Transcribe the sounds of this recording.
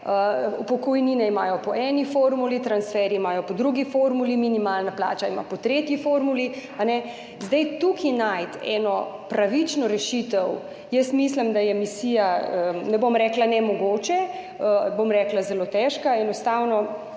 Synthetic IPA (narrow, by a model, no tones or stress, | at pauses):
əupɔkɔjninɛimaːjɔpɔʔɛnifoːɾmulit̪ɾansfɛɾiːmaːjɔpɔd̪ɾuɡifoːɾmuliminimaːlnapla̰ːt͡ʃaima̰pɔt̪ɾeːt̪jifoːɾmulianɛ | zd̪ɛjt̪ukʰinajt̪ɛ̰nɔpɾaʋit͡ʃnɔɾɛʃit̪əw | jəst̪mislimd̪ajɛmisiːjaənɛbomɾɛːklanɛmɔɡoːt͡ʃɛ | əbomɾɛklazɛloːt̪ɛʃkaɛnɔst̪aːwnɔ